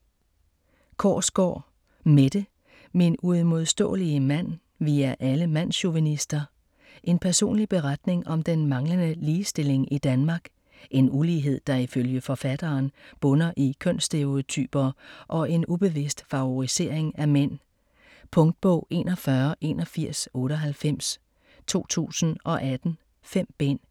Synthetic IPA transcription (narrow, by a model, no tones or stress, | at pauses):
kʰɒ̰ːsɡ̥ɒ̰ː | med̥ə | meenuð̩ˠmo̝ð̞ˠsd̥ɔ̰̽ːliəmæn̰ | ʋiːæʔæləmæn̰ɕo̝ʋænisd̥ɐ | ʔe̝npʰæɐso̝̰ːnlib̥e̝ʁad̥ne̝ŋʔɒ̽md̥enmɑ̈ŋlənəliːsd̥e̝le̝ŋid̥ænmɑ̈ːɡ̥ | ʔe̝nuliːɦe̝ð̞̰ˠd̥ɑ̈iføljəfɒ̽fæd̥ɐːnb̥ɔ̽nɐʔikʰøn̰sd̥e̝ot͡sʰy̰ːb̥ɐʔɒ̽e̝nub̥e̝ʋe̝sd̥fɑ̈ʊoʁise̝̰ɐ̰eŋæmen̰ | pʰɔ̽ŋd̥̚b̥ɔʊ̰e̝̰ːnɒ̽fɶɐʔe̝ːnɒfiɐ̰sɔ̽ːɾəɦælfem̰s | t͡sʰo̝̰ːt͡sʰṵːsn̩ʔɒ̽ʔæd̥n̩ | fem̰b̥e̝n̰